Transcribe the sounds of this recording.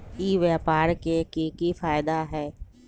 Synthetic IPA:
iːʋɛːpaːɾkekikifaːjɪd̪aɦɛː

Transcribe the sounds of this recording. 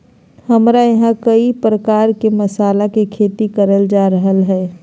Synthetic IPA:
hɐmɾajɐɦãkəipɾəkaːɾkemɐsaːlakekʰeːt̪ikəɾəld͡ʒaːɾəɦəlɦɛː

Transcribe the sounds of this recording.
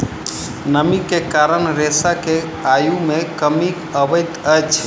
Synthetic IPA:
nəmikːekaɾənɾesake | ajumekəmikəbəjt̪əjt͡ʃʰ

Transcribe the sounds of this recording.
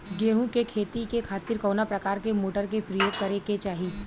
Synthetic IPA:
ɡeːɦũkekʰeːt̪ikekʰaːt̪ɪɾkoːnapɾɐkaːɾkemoːʈəɾkepɾɐjoːɡ̚kɐɾeket͡ʃaːɦi

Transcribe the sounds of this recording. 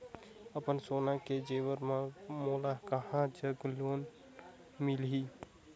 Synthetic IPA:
əpənsoːnaked͡ʒeːʋəɾmãmoːlakəɦãd͡ʒəɡloːn | mɪlɦiː

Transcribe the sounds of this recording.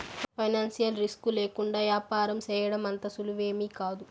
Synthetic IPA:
pʰɐjnaːnsijɐlɾiskuleːkuɳɖaːʋjaːpaːɾɐmt͡ʃɛːjɐɽɐmɐnt̪ɐsuluʋe̞ːmiːkaːd̪u

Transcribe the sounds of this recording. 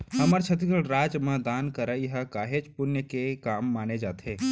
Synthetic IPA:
hɐməɾt͡ʃʰɐt̪̬ikəɽɾaːd͡ʒmãd̪aːnkəɾaiɦəkaːɦed͡ʒpʊnjəkekaːmːaːned͡ʒaːt̪ʰeː

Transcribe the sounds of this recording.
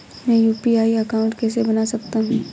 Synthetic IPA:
mɛ̃juːpiaːiɐkaːʊ̃ɳʈkɛːsebɐnasɐk̚t̪aɦũː

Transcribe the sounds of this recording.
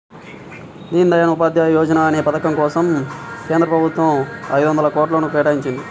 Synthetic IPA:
d̪iːnid̪ɐjɐnɐupaːd̪jajɔːd͡ʒɐnaːɐne̞ːpɐt̪ɐkɐŋkɔːsɐmke̞ːnd̪ɾɐpɾɐbʱut̪ʋɐmɐ̰jd̪uʋɐnd̪ɐlɐkɔːʈlɐːnupɾɛːʈaːjiɲt͡ʃind̪i

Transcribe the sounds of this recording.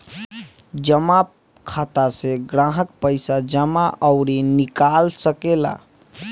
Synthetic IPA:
d͡ʒəma | kʰat̪aseɡɾãɦəkpəɪsad͡ʒəmaʔəʊɾinikalsəkela̰

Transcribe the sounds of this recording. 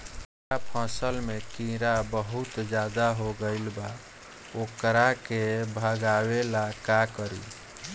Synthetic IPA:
apʰãsəlmekĩɾabəɦut̪d͡ʒad̪aɦoɡəɪlba | okɾakebʱəɡawelakakəɾḭ

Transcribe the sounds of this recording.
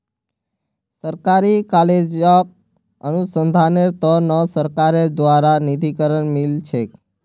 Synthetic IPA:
səɾkaɾikaled͡ʒak̚ | ənusənd̪ʱaneɾt̪ɔnəsəɾkaɾed̪ʋaɾanid̪ʱikəɾənmilt͡ʃʰek

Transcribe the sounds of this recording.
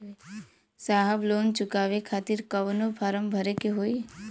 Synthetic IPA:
saɦəbloːnt͡ʃʊkaːʋekʰaːt̪iɾkəʋnopʰaːɾəmbʱəɾekeɦoːi

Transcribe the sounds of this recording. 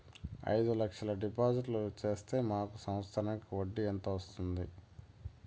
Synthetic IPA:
ɐ̰jd̪ulɐkʂɐlɐɖipaːd͡ʒiʈlut͡ʃe̞ːst̪e̞ːmaːkusɐm̃t̪st̪ʰɐɾɐnkuʋoɖːiɐnt̪ɐʋɐst̪und̪i

